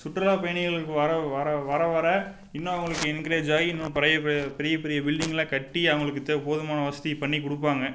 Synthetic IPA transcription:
sʊʈːɐɾaːpeːɳɪɣɐɭɯkːɯʋɐɾɐʋɐɾɐʋɐɾɐʋɐɾɐ | ɪnːõːɐʋɐŋɡɐɭɯkːɯɛnkːɪɾeːd͡ʒaːjiɪnːõpɛɾɐjɐpɛɾɪjɐpɛɾɪjɐbɪɭɖɪŋɡɐlãːkɐʈːiɐʋɐŋɡɐɭɯkːɯt̪ːɐpoːðɐmaːnɐʋɐsɐt̪ipɐɳːikʊɽɯp̬ːaːŋɡɐ

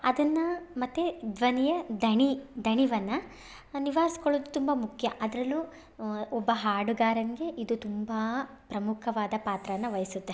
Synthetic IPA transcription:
ɐd̪ɐnːɐmɐt̪ːed̪ʋɐnijɐd̪ʱɐɳid̪ʱɐɳiʋɐnːɐ | niʋaːɾisi̥koɭoːd̪ut̪umbɐmukʰjɐʔɐd̪ɾɐlːu | ɔbːɐɦaːɽuɡaːɾɐnɡe̞ʔid̪ut̪umba | pɾɐmukʰɐʋaːd̪ɐpaːt̪ɾɐʋɐnːɐʋɐjɐsut̪ːe

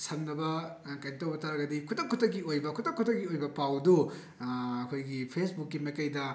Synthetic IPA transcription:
sɐmnɐbɐ | kajntɐwbɐtʰaɾɐɡɐdikʰutɐkʰːutʰɐk̬ːiojbɐkʰutɐkʰːutʰɐkɡiojbɐpawdu | ɐkʰojɡipʰesbukːimɐjkɐjdɐ

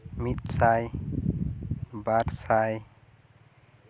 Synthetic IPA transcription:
mit̪̚saj | baɾsaj

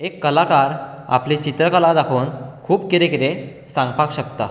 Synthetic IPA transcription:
ekːəlakaɾ | a̰plit͡ɕit̪ɾəkəlad̪akʰoːnkʰuːpkiɾekiɾe | sãŋɡpakɕəkt̪a

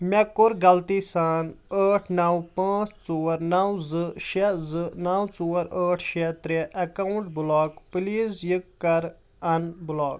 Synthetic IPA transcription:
mʲekʊɾɡɐlt̪iːsaːnəːʈʰnɐwpãːt͡st͡soːɐɾnɐwzɨʃezɨnɐwt͡suːɐɾəːʈʰʃet̪ɾeʔɐkɐuɳʈ̚blɔːkpliːzjikːɐɾ | ɐnblɔːk̚

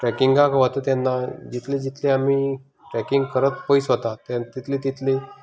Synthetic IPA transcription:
ʈɾɛkiŋɡkãkaʋot̪ət̪janːad͡ʑit̪ʰled͡ʑit̪ʰleamiː | ʈɾɛkiŋɡkəɾət̪pəjisɦot̪at̪at̪it̪ʰlet̪it̪ʰle

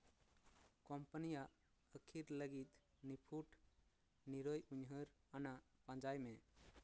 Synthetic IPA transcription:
kɔmpənijaʔ | əkʰiɾləɡit̪̚ | nipʰuʈ | niɾəjuɲɦəɾ | anaʔpãd͡ʒajmɛ

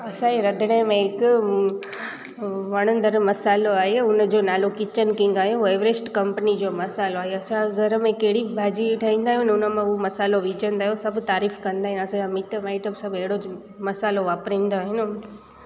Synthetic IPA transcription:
ɐsãeɾɐd̪ʱɪɽ̃emẽɦɪk | ʋɐɽ̃ə̃nd̪əɾmɐsaːloaːɦeʊnəd͡ʑoːnaːlokɪt͡ɕənkɪ̃ŋɡaːɦjũeːʋɾesʈkɐ̃mpənid͡ʑoːmɐsaːloaːɦeɐsãɡʱɐɾmẽkeɦɪɽibʱaːd͡ʑiʈʰaːĩːn̆d̪aːɦjunʊnəmãʊomɐsaːloʋiːd͡ʑə̃nd̪aːɦjosɐbʱt̪aːɾiːfkɐ̃nd̪aːɦij̃ɐsããmɪʈəmaːɪʈəbsɐbʱeɦɪɽo | mɐsaːloʋaːpɾĩːnd̪oaːɦɪnʊ

